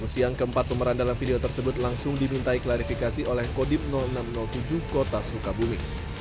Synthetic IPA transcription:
usiaŋkəəmpat̪̚pəməɾandalanfideot̪ərsəbʊt̪̚laŋsʊŋdimint̪aiklaɾifikasiʔolɛhkodɪp̚nɔlnamnɔlt̪ud͡ʒuhkot̪asukabumi

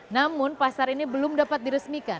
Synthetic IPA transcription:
namʊnpasaɾinibəlʊmdapat̪̚diɾəsmika

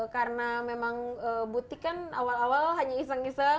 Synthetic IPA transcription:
karənamemaŋəbut̪ikanawalawalɦaɲais̬aŋisa

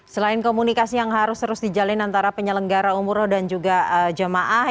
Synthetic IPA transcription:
səlaɪnkomunikasijaŋɦaɾʊst̪əɾʊsdid͡ʒalɪnant̪aɾapəɲələŋɡaɾaumuɾɔhdand͡ʒuɡaəd͡ʒəmaʔah

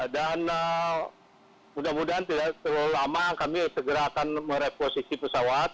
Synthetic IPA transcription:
danə | mudamudaɦant̪idaʔt̪əɾulamakamisəɡəɾakanməɾeposisipəsawat̪̚

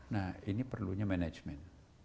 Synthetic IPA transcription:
nahinipərluɲamɛnɛd͡ʒmɛn

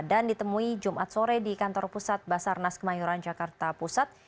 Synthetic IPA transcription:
dandit̪əmuid͡ʒumʔat̪̚soɾɛdikant̪ɔrpusat̪̚basarnaskəmajuɾand͡ʒakart̪apusat̪̚

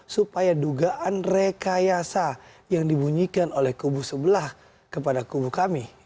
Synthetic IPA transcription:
supajaduɡaʔanrekajasa | jaŋdibuɲikanolɛhkubusəbəlah | kəpadakubukami

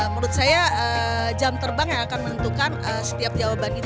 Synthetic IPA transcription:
muɾʊt̪̚sajaəd͡ʒamt̪ərbaŋjaŋakanmənənt̪ukanəsə̥t̪iap̚d͡ʒawabani

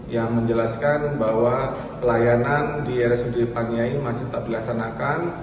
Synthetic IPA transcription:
jaŋməɲd͡ʒəlaskanbawa | pəlajanandiɛɾɛsudepaniaimasɪht̪ap̚dilaksanakan

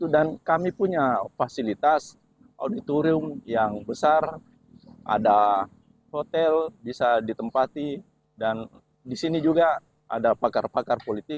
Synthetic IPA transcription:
t̪udankamipuɲafasilit̪as | a̰wdit̪uɾʊmjaŋbəsar | ʔa̰da | hot̪ɛlbisadit̪əmpat̪i | dan | disinid͡ʒuɡa | ʔa̰dapakarpakarpolit̪ɪk̚

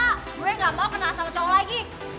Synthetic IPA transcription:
ɡuɾɛŋɡamawkənasamət͡ʃɔwlaiɡi

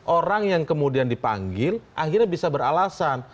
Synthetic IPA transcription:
ʔoɾaŋjaŋkəmudiandipa̰ŋɡɪlʔahirɲabisabəɾalasan

